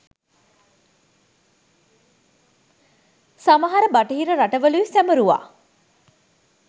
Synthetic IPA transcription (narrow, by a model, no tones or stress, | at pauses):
saməɦaɾəbaʈəɦiɾəɾaʈəʋəluisæməɾuʋa̰ː